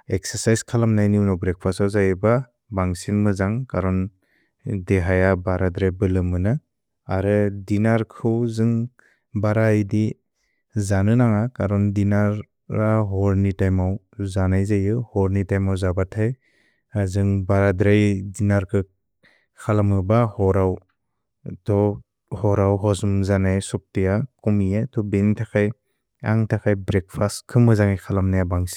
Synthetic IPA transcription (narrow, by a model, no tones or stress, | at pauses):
ek̚saɾsajskʰalamnajniuwnɔbɾek̚pʰasawzajɯba | baŋsinmɯzaŋkaɾɔn | deɦajabaɾadɾajbɯlɯmɯnɯ | aɾɯdinaɾkʰɯwzɯŋ | baɾajdi | zanɯnaŋakaɾɔndinaɾ | aɦɔɾnitajmaw | zanajzajɯhɔɾnitajmawzabatʰaj | azɯŋbaɾadɾajdinaɾkʰɯ | kʰalamɯbahɔɾaw | tɔ | hɔɾawɦɔzumzanajsɔk̚tijakɔmiatʰɔbentʰakʰaj | a̰ŋtʰakʰajbɾek̚pʰaskʰɯmɯzaŋajkʰalamnajabaŋsi̥